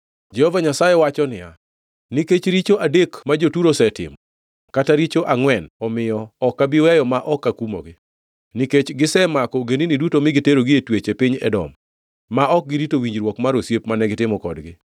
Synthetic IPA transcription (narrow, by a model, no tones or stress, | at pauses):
d͡ʒɛhovaɲasajɛwat͡ʃɔnɪja | niket͡ʃɾit͡ʃoʔadekmad͡ʒotuɾosɛtɪ̰mɔ | kataɾit͡ʃoʔaŋwɛnɔmɪjɔːkːabiwɛjɔmaʔɔkːakumo̰ɡɪ | niket͡ʃɡɪsɛmakɔɡeninidutomɪɡɪteɾoɡɪetwet͡ʃepɪɲɛ̰dɔ̰mː | aʔɔk̚ɡɪɾitowiɲd͡ʒɾwɔkmaɾosjepmanɛɡɪtɪmɔkɔdɡɪ